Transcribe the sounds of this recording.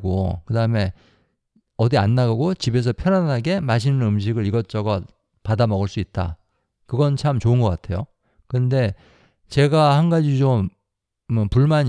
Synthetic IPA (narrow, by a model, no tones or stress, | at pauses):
ɡo̰kɯdaɯme̞ | ʌdianːaɡɡot͡ɕibe̞s̬ʰʌpʰjʌnanɦaɡe̞maɕ̬ʰinɯnɯmɕ̬ʰiɡɯɾiɡʌt͡ɕ͈ʌɡʌ | padamʌɣɯɭs͈uit̚t͈a̰ | kɯɡʌnt͡ɕʰamt͡ɕoɯnɡʌk͈atʰe̞jo | kɯnde̞ | t͡ɕe̞ɡahanɡad͡ʑit͡ɕom | puɭmaɲ